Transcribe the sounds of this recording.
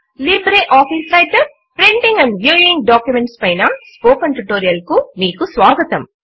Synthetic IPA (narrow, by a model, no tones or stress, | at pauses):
libɾeʔaːpʰiːsɾɐjʈɐ | pɾeɳʈiŋɡɐɳɖʋjuːiŋɡɖaːkjumeɳʈspɐjnɐspoːkɐɳʈɾiʈoːɾijɐlkumiːkusʋaːɡɐt̪ɐm